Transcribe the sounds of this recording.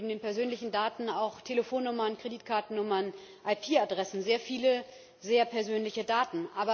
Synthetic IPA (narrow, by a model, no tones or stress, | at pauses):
bm̩deːnpɛɐzøːnlɪçn̩daːtn̩aʊxtʰeləfoːnːʊmɐnkʁ̥ediːtkʰaɐtn̩nʊmɐn | ʔaɪpʰiːadʁɛsn̩zeːɐfiːlə | zeːɐpʰɛɐzøːnlɪçədaːtn̩ʔaːbɐ